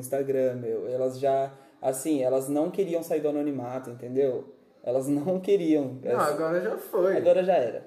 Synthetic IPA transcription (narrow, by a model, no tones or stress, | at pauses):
ĩst̪aɡɾɐ̃mewɛlɐzʒa | asĩɛlɐznɐ̃w̃keɾiɐ̃w̃saiɾd̪ʊanonimat̪ʊẽnt̪ẽnd̪ew | ɛ̰lɐznɐ̃w̃keɾiɐ̃w̃ɛaɡɔɾɐʒafojaɡɔɾɐʒaɛɾɐ̰